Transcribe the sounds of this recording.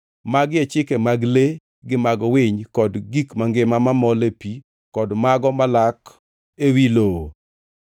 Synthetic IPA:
maɡet͡ʃɪkemaɡle | ɡɪmaɡɔwɪɲkɔdɡikmaŋɡɪmamamɔlepi | kɔdmaɡɔmalak | ewilo

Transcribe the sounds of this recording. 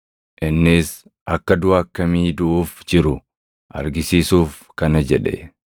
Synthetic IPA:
ʔɪnːɪs | ʔɐkːɐd̪ʊaːkːɐmiːd̪ʊʔuːfd͡ʒɪɾʊ | ʔɐ̰ɾɡɪsiːsuːf | kɐnɐd͡ʒɛᶑɛ̰

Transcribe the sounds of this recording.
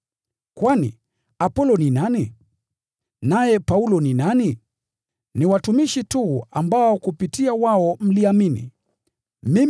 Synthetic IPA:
kwanḭ | apɔlɔninani | najɛpaulɔninani | niwatumiʃituambaɔkupitiawaɔm̩liaminḭ | mim

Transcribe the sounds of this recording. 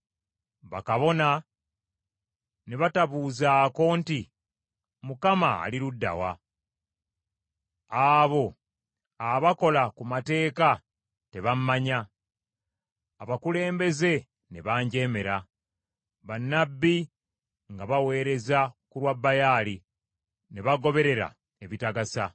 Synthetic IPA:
βa̰kaβo̞na | ne̞βataβuːzaːko̞nti | mukama̰ːliɾudːa̰wa̰ | aːβo̞ | aβako̞lakumate̞ːka | te̞βammaɲa | βakule̞ːmbe̞ze̞ | neβaːɲɟe̞ːme̞ɾa | βanːabːi | ŋɡaβawe̞ːɾe̞zakulwabːajali | ne̞βaɡo̞βe̞ɾe̞ɾa̰ | e̞βitaɡasa

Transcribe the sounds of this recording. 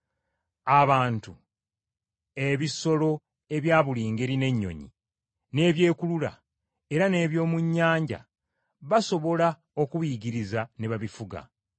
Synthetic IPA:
aβaːntu | e̞βiso̞lo̞ | e̞βjaːβuliːŋɡe̞ɾine̞ɲːo̞̰ɲḭ | ne̞ːβje̞ːkulula̰ | e̞ɾane̞ːβjo̞ːmuɲːaːɲɟa̰ | βaso̞βo̞la | o̞kuβiɟiɾizaneβaβifuɡa̰

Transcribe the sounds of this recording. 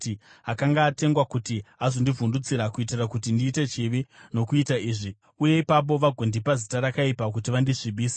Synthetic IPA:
iɦakaŋɡaːte̞ŋɡwakutiazo̞ndivundut͡siɾakuitirakutindiːte̞t͡ʃiʋino̞kuitaiːʐi | uje̞ipap̬o̞ʋaɡʱondipazitaɾakaipak̬utiʋandiʂiɓʱiːsḁ

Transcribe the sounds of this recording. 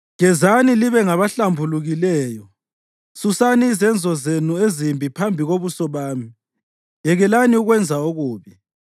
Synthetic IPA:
ŋɛzaniliβɛŋaβaɬambʱuluɣilɛːjɔ | susaniːzɛnd͡zʱɔzenuezimbʱipʰambʱiɣoβusɔβaːmi | jɛɣɛlaniuɣwɛnd͡zʱaoɣuːβi

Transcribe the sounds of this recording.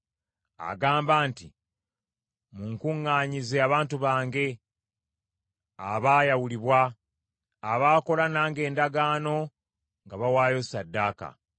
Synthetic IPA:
a̰ɡaːmbaːnti | muŋkuŋːaːɲizeaβaːntuβaːŋɡe̞ | aβaːjawuliβwaː | βaːko̞lanaːŋɡe̞ːndaɡaːno̞ | ŋɡaβawaːjo̞sadːaːka̰

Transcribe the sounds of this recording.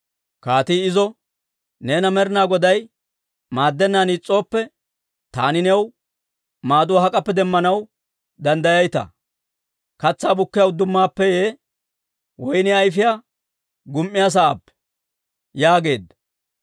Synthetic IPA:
kaːt̪iːɪzɔ | neːnɐmɛɾɪnaːɡɔd̪ɐj | maːd̪ːɛnːaːniːt͡sʼːo̞ːpːɛ | t̪a̰ːnɪnɛw | maːd̪ʊwaɦɐkʼɐpːɛd̪ɛmːɐnɐw | d̪ɐnd̪ɐjɐjt̪ɐ̰ | kɐt͡sːaːbʊkːɪjɐwd̪ʊmːaːpːɛjeː | wɔjnɛɐjfɪjaː | ɡʊmʔːɪjaːs̬ɐaːpːɛ̥ | jaːɡe̞ːd̪ɐ

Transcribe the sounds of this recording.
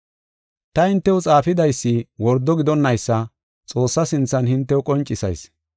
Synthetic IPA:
t̪ɐhɪnt̪ːɛwʊt͡sʼaːfɪd̪ɐjsːɪwɔɾd̪ɔɡɪd̪ɔnːɐjsːɐ | t͡sʼo̞ːsːɐsɪnt͡sːɐnhɪnt̪ːɛʊkʼɔnt͡ʃʼːɪsɐ̰js

